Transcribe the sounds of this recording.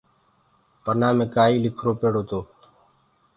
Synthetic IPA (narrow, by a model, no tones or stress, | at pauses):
pənaːmẽːkaːiːlɪkʰɾoːpeːɽoːt̪oː